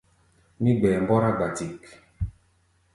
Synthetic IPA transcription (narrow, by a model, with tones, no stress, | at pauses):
mi˦ɡ͡bɛ˨m˨bɔ˦ɾa˦ɡ͡ba˨ti˨k